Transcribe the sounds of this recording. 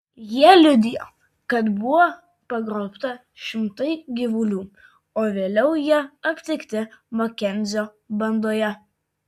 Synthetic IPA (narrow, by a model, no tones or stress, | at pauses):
jiɛlʲʊd̪ʲɪjo̰ː | kɐt̪bʊʋoː | pɐɡɾɒʊpt̪ɐ | ʃʲɪmt̪ɐɪɡʲɪʋʊlʲuː | oːʋʲeːlʲɛʊjiɛɐpʲt̪ʲɪkʲt̪ʲɪmɔkʲɛnʲzʲoː | bɐnd̪oːjɛ